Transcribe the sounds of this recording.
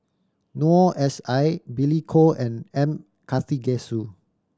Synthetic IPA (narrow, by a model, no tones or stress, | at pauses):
nuɔʔɛsajbilikʰoɛ̃nɛ̃m | kʰaθiɡɛsu